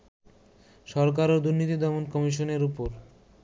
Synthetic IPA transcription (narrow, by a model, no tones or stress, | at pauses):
ʃɔɾk̬aɾod̪uɾnit̪id̪ɔmonkɔmiʃ̬oneɾupoɾ